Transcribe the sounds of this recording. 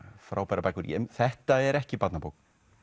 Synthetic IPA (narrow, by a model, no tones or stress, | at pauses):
fɾaːwpajɾapajkʏɾjɛ̰mθɛht̪aɛɾɛhcɪpat̪napowk